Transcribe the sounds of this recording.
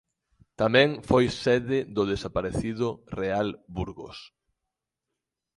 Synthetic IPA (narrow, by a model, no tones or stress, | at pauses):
t̪amɛ̃ŋfojsɛðɪðʊðesapaɾeθiðʊrealbuɾɣo̰s